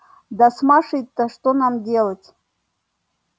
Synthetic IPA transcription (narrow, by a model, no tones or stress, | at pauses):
d̪asmaʂɨjt̪ːaʂt̪onamdʲelˠətʲ